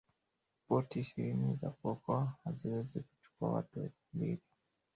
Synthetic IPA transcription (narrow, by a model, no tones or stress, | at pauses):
pɔtiʃiɾinizakɔkɔhaziwed͡zeku̥t͡ʃu̥kwa̰wa̰tuefumbiɾi